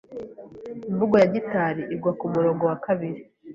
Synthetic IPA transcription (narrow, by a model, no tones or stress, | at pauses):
iɱvuɡojaɟitaːɾiʔiɡwakumuɾo̞ːŋɡo̞wakaβiɾi